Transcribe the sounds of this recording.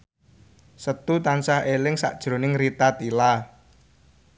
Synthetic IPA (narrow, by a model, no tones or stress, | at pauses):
sət̪ut̪ansaelɪŋsa̰ʔd̥ʒ̥ɾo̤nɪŋrit̪at̪ila